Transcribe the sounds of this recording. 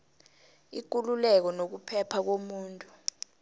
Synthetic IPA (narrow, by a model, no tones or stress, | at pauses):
ik̬ululɛk̬ɔnok̬upʰɛpʰak̬omuːntʼu